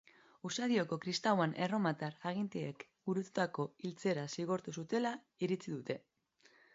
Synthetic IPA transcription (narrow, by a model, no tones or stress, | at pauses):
usaðio̞ko̞kɾist̪awanʔe̞ro̞mat̪araɣ̞int̪eekɡuɾut̪u̥t̪ako̞ilt͡se̞ɾasiɣo̞ɾt̪usut̪e̞la | iɾit͡siðut̪e̞